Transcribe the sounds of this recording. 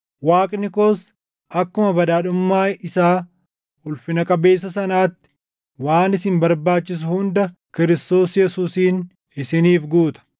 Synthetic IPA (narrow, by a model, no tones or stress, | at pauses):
waːkʼnɪko̞ːs | ɐkːʊmɐbɐd̪aːᶑʊmːaːɪsaː | ʊlfɪnɐkʼɐbe̞ːs̬ːɐsɐnaːt̪ːɪ̥ | waːnɪsɪmbɐɾbaːt͡ʃːɪs̬ʊhʊnd̪ɐkɪɾɪst̪o̞ːsjɛsuːsiːn | ɪsɪniːfɡuːt̪ɐ̥